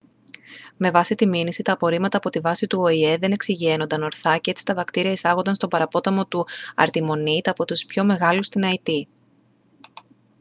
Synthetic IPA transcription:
me̞vɐsit̪iminisit̪ɐːpo̞ɾimɐt̪ɐːpo̞t̪ivɐsit̪uoie̞ðe̞ne̞ksiʝie̞no̞nd̪ɐno̞ɾθɐcee̞t͡si̥t̪ɐvɐkt̪iɾiɐisɐɣo̞nd̪ɐnst̪o̞bɐɾɐpo̞t̪ɐmo̞t̪uɐ̰ɾt̪imo̞nit̪ɐpo̞t̪uspço̞me̞ɣɐlust̪inɐit̪i

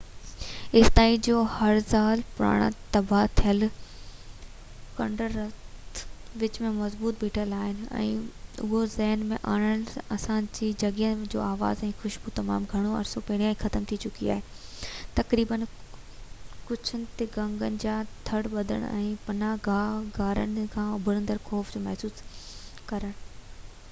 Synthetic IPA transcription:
ɪst̪aːĩd͡ʑoːhɐɾsaːlpɾa̰ːɽ̃a̰t̪ɐbat̪ʰijəl | kɐ̰̃ɳɖəɾːɐt̪ʋɪt͡ɕmẽmɐzbuːt̪̚biːʈʰəlaːɦɪnɪ̆ɛ̰̃ːʊ̰ozɛːnmẽʔaːɽ̃əɽ̃ɐsãd͡ʑiːd͡ʑɐɡəd͡ʑo̰ːaːʋa̰ːzɛ̃ːxʊʃbut̪ɐma̰ːmɡʱɐɽ̃oɐ̰ɾsopɐːɽ̃ijaːĩːxɐt̪əmt̪ʰit͡ɕʊkia̰ːɦe | t̪ɐkɾiːbən | kʊd͡ʑʰənɪ̆t̪eɡɐ̃ŋɡənɪ̆d͡ʑaːt̪ʰɐɽʋɐd̪ʱə̰ɽ̰̃ɛ̰̃ːpɐnaɡʱaːɡʱaːɾə̰nɪkʰãːʊbʱəɾə̃nd̪əɾxɔːfd͡ʑoːmɛɦsuːskɐɾəɽ̃ʊ

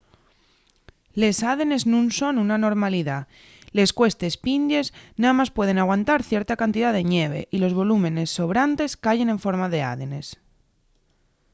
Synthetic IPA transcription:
le̞saðe̞ne̞znũnso̞nunano̞ɾmaliða | le̞skwe̞st̪espind̪je̞snaðamaspwe̞ð̞e̞naɣwant̪aɾθje̞ɾt̪akant̪iðaðe̞ɲe̞βe̞̰ʔilo̞zβo̞lumẽ̞ne̞sːo̞βɾant̪e̞skaʝe̞ne̞ɱfo̞ɾmaðe̞a̰ðe̞ne̞s

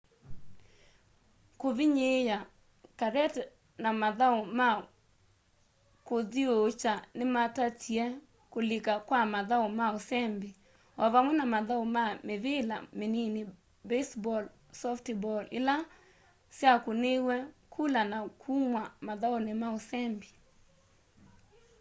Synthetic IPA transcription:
koviɲeja | kaɾɛt | namaðaoma | kodiot͡ʃanɪmatatjɛ | kolɪkakwamaðaomaosɛmbi | ɔvamwɛnamaðaomameðɪla̰menini | besbɔl | sɔftbɔlɪ̰la | sjakonewɛkʰulanakʰumwamaðaonɪmaosɛmbi

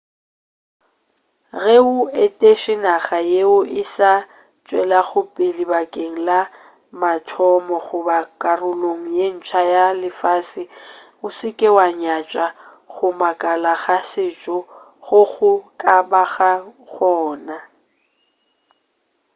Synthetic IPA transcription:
ɣɛʊɛtʼeʃɪnaɣajeʊʔɪsa | t͡ʃʼwɛlaɣʊpʼɪlibakʼeŋ̩la | matʰɔmɔɣʊbakʼarʊloŋ̩jen̩t͡ʃʰajalɪfaːsɪ | ʊsɪkʼɛwaɲat͡ʃʼa | ɣʊmakʼalaɣasɪt͡ʃʼɔ | ɣʊɣʊkʼabaɣaɣɔːna

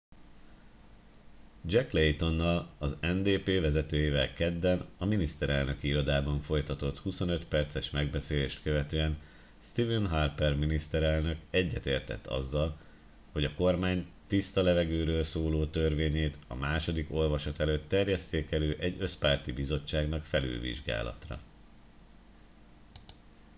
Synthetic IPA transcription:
d͡ʒɛklejt̪o̞nːɒlɒzɛnd̪eːpeːvɛzɛt̪øːjivɛlkɛd̪ːɛnɒminist̪ɛɾɛlnø̞kiiɾo̞d̪aːbɒɱfo̞jt̪ɒt̪o̞t̪huso̞nø̞t̪pɛrt̪sɛʃmɛɡ̚bɛseːleːʃt̪køvɛt̪øːɛn | st̪ivɛnɦarpɛrminist̪ɛɾɛlnø̞kɛɟːɛt̪eːrt̪ɛ̰t̪ʰːɒ̰zːɒl | ho̞ɟɒko̞rmaːɲt̪ist̪ɒlɛvɛɡøːɾøːlsoːloːt̪ø̞rveːɲeːt̪ɒ̰maːʃo̞d̪iko̞lvɒʃɒt̪ɛløːt̪ːɛrjɛst̪eːkɛløːʔɛɟːøspaːrt̪ibizo̞t͡ʃːaːɡnɒkfɛly̰lvḭʒɡa̰ːlɒ̰t̪rɒ̰

